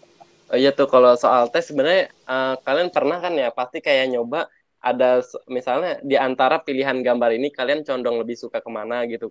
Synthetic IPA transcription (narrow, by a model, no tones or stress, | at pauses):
əijat̪ʊhkalosoalt̪ɛssəbənərɲa | əkalianpərnahkanjapast̪ikajaɲoba | ʔa̰dasmisalɲadiant̪aɾapiliɦanɡambaɾinikaliant͡ʃɔndɔŋləbɪhsukakəmanaɡit̪u